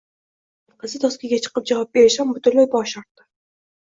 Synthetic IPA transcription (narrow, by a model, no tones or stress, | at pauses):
qʰəzɪt̪ʰɒskʲɪɡʲat͡ʃʰɨ̥qɨp̚d͡ʒavɑp̚beɾɪʃambʊt̪ʰʊɾlajbɒʃɒɾt̪ːɪ̥